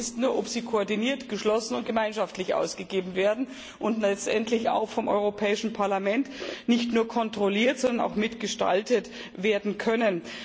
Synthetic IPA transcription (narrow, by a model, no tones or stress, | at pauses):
ɪstnuːɐʔɔpz̥iːkʰoɔɐdiniːɐtɡ̥əʃlɔsn̩ʊnt̚ɡ̥əmaɪnʃaftlɪçʔa̰ʊsɡ̥əɡeːbm̩veːɐdn̩ | ʔʊntlɛt͡stʔɛntʰlɪça̰ʊxfɔmʔɔ̰ʏʁopʰɛːɪʃn̩pʰaɐlamɛntnɪçtnuːɐkʰɔntʁ̥oliːɐtz̥ɔndɐnʔa̰ʊxmɪtɡ̥əʃta̰ltət | veːɐdn̩kʰœnən